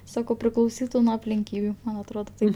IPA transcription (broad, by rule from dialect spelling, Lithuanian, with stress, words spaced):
ˈsɑːkɐʊ pʲrʲɪklˠɐʊˈsʲiːtʊ nuɔ ɐpʲlʲɪŋʲˈkʲiːbʲʊ mɐn ɐtˈroːdoː ˈtɐɪp